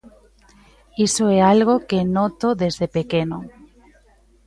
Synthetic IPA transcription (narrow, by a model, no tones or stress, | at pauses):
isoɛalɣ̞okenɔt̪oðezðepekeno